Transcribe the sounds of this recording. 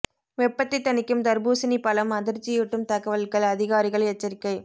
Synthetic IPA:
ʋɛpːɐt̪ːɪt̪ːɐnɪkːɯmd̪ɐɾbuːsɪnipːɐlɐmɐðɪɾt͡ʃːɪjɪʈːɯmt̪ɐɣɐʋɐlkɐɭɐðɪɣaːɾɪɣɐɭɛt͡ʃːɐɾɪkːɐɪ

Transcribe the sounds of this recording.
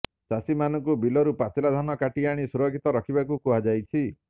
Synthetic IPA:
sasimanɔŋkubilɔɾupasilad̪ʱanɔkaʈiaɽ̃isuɾɔkʰit̪ɔɾɔkʰibakukuɦad͡ʒajt͡ʃʰi

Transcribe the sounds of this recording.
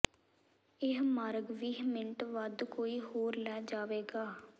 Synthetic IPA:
ɪɦmaːɾɡʋiːɦmɪɳʈʋəd̪koːiːɦoːɾlɛːd͡ʒaːʋeːɡaː

